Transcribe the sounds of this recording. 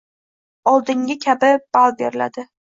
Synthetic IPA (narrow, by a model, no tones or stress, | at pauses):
ɒlˠd̪ɪŋɡʲɪkʲʰabɪb̥alˠbeɾɪla̰d̪ɪ